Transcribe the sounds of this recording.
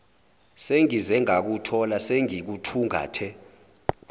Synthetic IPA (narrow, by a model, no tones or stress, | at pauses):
seŋizɛŋak̬utʰɔlaseŋik̬utʰuŋa̰ːtʰɛ